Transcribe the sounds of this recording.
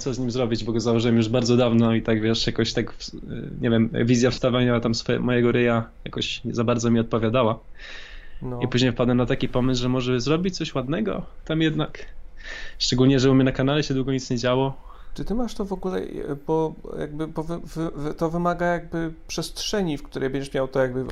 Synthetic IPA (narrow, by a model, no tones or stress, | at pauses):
t̪sɔzɲimzɾɔbʲid͡ʑbɔɡɔzawɔʐɘwɛmjuʐbaɾd̪zɔd̪avnɔit̪aɡvʲjɛʂjakɔɕt̪akfɲʔɛvʲjɛm̰vʲizʲjafst̪avaɲawat̪amsfɔɛ̰mɔjɛɡɔɾɘjaja̰kɔɕzabaɾd̪zɔmʲiɔt̪̚pɔvʲjad̪awa | nɔipuʑɲejfpad̪wɛnat̪akʲipɔmɘsʐɛmɔʐɛzɾɔbʲit͡ɕtsɔɕwad̪nɛɡɔ̰t̪amjɛd̪nak | ʂt͡ʂɛɡulɲɛʐɛwɔmʲinakanalɛɕɛd̪wuɡɔɲit̪sɲɛd͡ʑawɔ | t͡ʂɨt̪ɘmaʂt̪ɔvɔɡulɛ̰bɔja̰ɡ̚bɘbɔvvt̪ɔvɘmaɡajaɡ̚bɘpʂɛstʂɛɲifkt̪uɾʔɛjbɛɲd͡ʑɛʂmʲjawt̪ɔjaɡbɘ